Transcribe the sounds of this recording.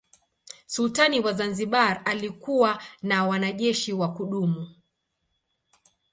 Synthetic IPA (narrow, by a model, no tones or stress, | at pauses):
sultaniwazanziɓaɾalikuwanawanaʄɛʃiwakuɗumu